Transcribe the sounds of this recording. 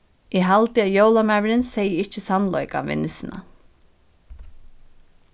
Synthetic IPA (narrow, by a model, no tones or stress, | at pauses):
iɦalt̪ɪajowlamæːʋɾɪnsɛjəɪt͡ʃːɪsanlɔ̰ʏka̰ʋɪ̰nːɪsɪna̰